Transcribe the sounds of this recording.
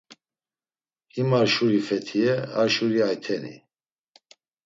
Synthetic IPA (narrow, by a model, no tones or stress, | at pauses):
himaɾʃuɾifɛt̪ʰiɛaɾʃuɾiajt̪ʰɛnḭ